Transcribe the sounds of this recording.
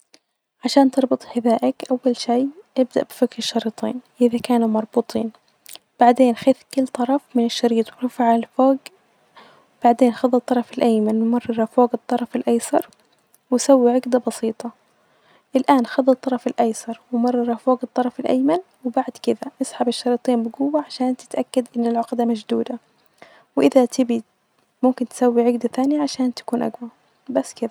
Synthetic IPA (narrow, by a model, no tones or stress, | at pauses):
ʕaʃaːnt̪ɨɾˤbɨt̪ˤħɪðaːʔakʔawːalʃiːʔɪb̚d̪a̰ʔbɪfakɾʃːɑɾiːt̪ˤiːnʔɪðakaːnumɑɾˤbuːt̪ˤiːn | b̥aʕd̪eːnxaθkʊlːt̪ˤɑɾˤɑfmɪnɪʃːɑɾiːt̪ˤwɪɾʊfaʕaalfoːɡ | wbaʕd̪eːnxɑðˤɑt̪ˤːɑɾˤɑfɪlʔajmanwɪmɑrˤːɑɾˤɑfoːɡɨt̪ˤːɑɾˤɑfɪlʔɑjsɑɾˤ | wɪsawːiʕɪɡd̪abɑsiːt̪ˤɑ | ʔɪlʔaːnxɑðˤːɑt̪ˤːɑɾˤɑfɪlʔɑjsɑɾˤwɪmɑrˤːɑɾˤɑfoːɡɨt̪ˤːɑɾˤɑfɪlʔa̰jman | wɪbaʕd̪kɪd̪aʔɪsˤħɑbɪʃːɑɾiːt̪ˤiːnbɪɡʊwːaʕaʃaːnt̪ɪ̥t̪ʔakːad̪ʔɪnːɪlʕʊqd̪amad͡ʒd̪uːd̪a | wʔɪðat̪ʰɪbi | mʊmkɪnt̪ɪ̥sawːiʕɪɡd̪aθaːnɪjaʕaʃaːnt̪ḁkuːnʔa̰ɡwa | basːkɪd̪a